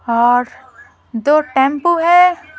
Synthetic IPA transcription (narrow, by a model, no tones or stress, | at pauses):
ɔːɾ | d͡ʒoːʈɛ̃mpoɦɛ